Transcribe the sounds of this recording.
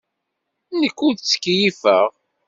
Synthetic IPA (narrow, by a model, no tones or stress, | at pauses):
nəkːuðt͡sːə̥kːjifəʁ